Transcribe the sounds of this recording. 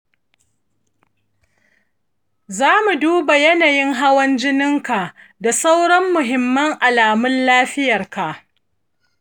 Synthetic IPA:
zaː˦mu˨duː˦ba˨jɐ˦naː˨jɪ˦ŋɦa˦wɐ˦nd͡ʒɪ˦nɪ˦ŋka˨ʔ | da˨sa˦wɽɐ˦mːʊ˨ɦɪ˨mːɐ˦ŋʔa˨laː˨mʊ˦nlaː˦ɸɪ˦jɐ˨rka˨ʔ

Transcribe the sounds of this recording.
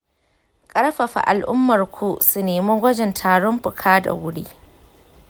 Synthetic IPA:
kʼɐ˦ɽɸɐ˨ɸa̰˨ʔa˨lʔʊ˦mːɐ˨rkʷʰoː˦su˨neː˨mo˦ɡʷɐ˦d͡ʒɪ˨ntʰaː˨ɽɔ˦mɸʊ˨kʰaː˦da̰˨wʊ˦ɽiː˦

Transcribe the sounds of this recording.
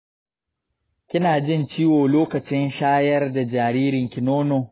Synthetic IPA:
kʲɪ˦naː˨d͡ʒɪ˦nt͡ʃiː˦woː˨loː˦kɐ˨t͡ʃɪ˦nʃaː˦jɐ˦rda˨d͡ʒaː˨ɾiː˦ɾɪ˨ŋkʲɪ˨noː˦noː˨

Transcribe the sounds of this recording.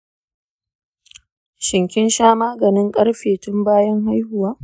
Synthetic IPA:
ʃɪ˨ŋkʲɪ˦nʃaː˦maː˦ɡɐ˨nɪ˦ŋkʼɐ˦ɽɸeː˨tʊ˦mbaː˦jɐ˦ŋɦa˦jhʊ˨waː˦ʔ

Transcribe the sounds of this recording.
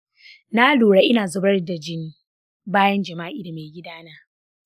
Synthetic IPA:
na˦loː˨ɽa˦ʔɪ˦naː˨zʊ˦bɐ˦rda˨d͡ʒɪ˦n | baː˦jɐ˦nd͡ʒɐ˨maː˦ʔiː˦da˨meː˨ɡʲɪ˦daː˦naː˦

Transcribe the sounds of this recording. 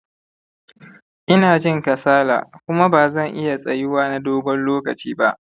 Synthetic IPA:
ʔɪ˦naː˨d͡ʒɪ˦ŋkɐ˨saː˦la̰ː˨kʷʊ˦ma˦baː˨zɐ˦˨ŋʔɪ˦ja˨sʼɐ˨jɪ˦waː˦na˦doː˦bɐ˦nloː˦kɐ˨t͡ʃiː˦ba˦ʔ

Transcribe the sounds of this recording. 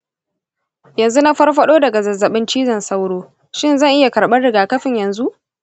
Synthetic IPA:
jɐ˨nzu˦na˦ɸɐ˦rɸɐ˦ɗoː˦dɐ˨ɡa˨zɐ˨zːɐ˨ɓɪ˦nt͡ʃiː˦zɐ˨nsɐ˦wɽoː˦ | ʃɪ˦˨nzɐ˦˨ŋʔɪ˦ja˨kɐ˨ɽɓɐ˦rɽɪ˨ɡaː˨kɐ˦ɸɪ˦˨ɲjɐ˨nzu˦ʔ

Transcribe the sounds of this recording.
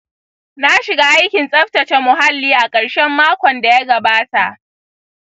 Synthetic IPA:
na˦ʃɪ˨ɡaː˦ʔa˦jkʲɪ˨nsʼɐ˦ɸtɐ˨t͡ʃɛ˦mʊ˨ɦa˦lːiː˨ʔa˨kʼɐ˨ɽʃɛ˦mːaː˦kʷɔ˨nda˨ja˦ɡɐ˨baː˦ta˨ʔ

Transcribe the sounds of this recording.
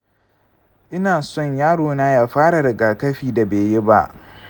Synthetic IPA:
ʔɪ˦naː˨sɔ˦˨ɲjaː˦ɽoː˨naː˦jaː˦ɸaː˦ɽa˨dɐ˨ɡaː˨kɐ˦ɸiː˨da˨beː˨je˦ba̰˦ʔ

